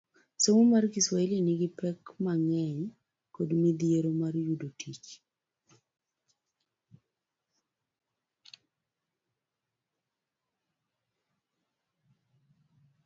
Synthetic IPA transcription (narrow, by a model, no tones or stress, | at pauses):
soŋomarɡiswaeljeniɡɪpɛkmaŋɛɲ | kodmid̪ijeɾomarjudotʰit͡ʃ